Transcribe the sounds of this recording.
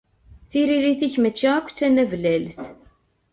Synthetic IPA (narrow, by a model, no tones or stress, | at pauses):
θiɾiɾiθiçmət͡ʃːaækʷːt͡sːænævlælθ